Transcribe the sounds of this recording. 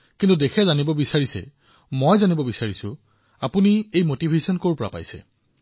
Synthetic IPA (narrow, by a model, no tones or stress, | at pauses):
kintudexʰɛzanibɔbisaɹisɛ̰ | mojzanibɔbisaɹisʊ̃ | apuniejmotibʱesɔnkoɹpɔɹa̰pa̰jsɛ̰